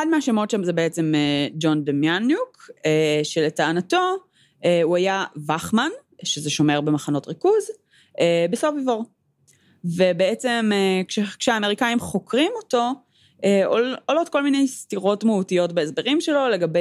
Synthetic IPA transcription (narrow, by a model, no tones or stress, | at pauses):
ad̚meaʃemo̞tʃamzebeet͡se̞med͡ʒo̞nd̪emjanjukeʃeletaːnato̞ | euajavaχmanʃezeʃo̞me̞ʁbe̞maχano̞tʁikuz | ebesofivoʁ | vebeet͡semekʃekʃeaːme̞ʁikaimχo̞kʁimoto̞ | ʔeoolo̞tko̞lmine̞jstiʁo̞tmautijo̞tbeezbeʁimʃe̞lo̞le̞ɡabe